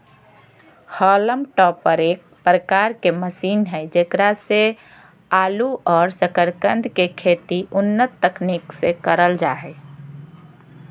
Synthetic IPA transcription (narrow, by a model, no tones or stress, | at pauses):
hɔləmʈɔpːəɾeːk̚pɾəkaɾkeməsiːnɦɛɪd͡ʒekɾase | aːluʔɔːɾsəkəɾkənd̪ʱkekʰet̪iʊnːət̪ːəkniksekəɾəld͡ʒaɛ